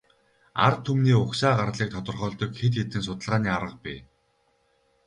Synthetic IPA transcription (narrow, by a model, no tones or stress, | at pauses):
a̰rt̪ʰːumniːʊχʃaːɢaɾɮiːk̚t̪ʰɔt̪ə̆rχœːɮt̪ɞ̆kxet̪xet̪ɘ̆ns̬ʊt̪ə̆ɮʁaːniːaɾʁə̆q̚piː